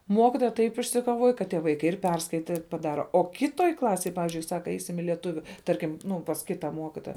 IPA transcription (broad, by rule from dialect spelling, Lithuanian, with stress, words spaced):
ˈmoːkʲɪtoːjɛ tɐɪp ɪʃʲsʲɪkoːˈʋoːj kɐt ˈtʲiɛ ˈʋɐɪkɐɪ ɪr ˈpʲɛrskɐɪtɐ ɪr pɐˈdɑːrɐ ˈoː ˈkʲɪtoːj ˈklˠɑːsʲeːj ˈpɑːʋʲɪzʲd͡ʒʲʊɪ ˈsɑːkɐ ˈɛɪsʲɪm ɪ lʲɛˈtʊʋʲʊ ˈtɐrʲkʲɪm ˈnʊ pɐs ˈkʲɪtɑː ˈmuɔkʲɪtoːjɛ